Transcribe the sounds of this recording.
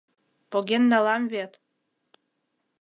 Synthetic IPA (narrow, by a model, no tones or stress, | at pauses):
poɡʲenːɑlɑmvet̪